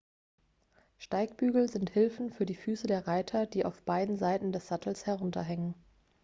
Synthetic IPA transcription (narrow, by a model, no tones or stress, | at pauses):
ʃtaɪkb̥yːɡl̩zɪnthɪlfn̩fyːɐdiːfyːsədeːɐʁaɪtʰɐdiːʔaʊfb̥aɪdn̩zaɪtn̩dɛsz̥atl̩shɛʁ̞ʊntɐ̰ɦɛŋən